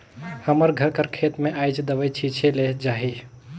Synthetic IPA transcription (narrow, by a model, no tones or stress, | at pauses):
həməɾɡʱəɾkəɾkʰet̪meʔajd͡ʒd̪əbət͡ʃʰit͡ʃʰeled͡ʒaɦi